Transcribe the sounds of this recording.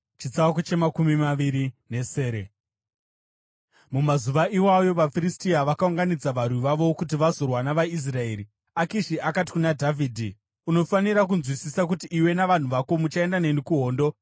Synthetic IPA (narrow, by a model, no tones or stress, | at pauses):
t͡ʃit͡sawakot͡ʃe̞makumimaʋiɾine̞se̞ːɾe | mumazuʋaʔiwajo̞ʋafiristiaʋakauŋɡanid͡zaʋarwiʋaʋo̞kutiʋazo̞rwanaʋais̬rae̞ːɾi | akiʃiʔakati̥kunadʱavʱiːdʱi | uno̞faniɾak̬unzwisisak̬utiʔːwe̞naʋan̤uʋako̞mut͡ʃae̞ndane̞nikuɦo̞ːndo̞